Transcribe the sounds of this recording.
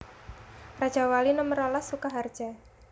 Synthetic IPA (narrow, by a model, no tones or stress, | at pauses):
rḁd͡ʒ̥awalinəməɾolasːukaɦard̥d͡ʒ̥a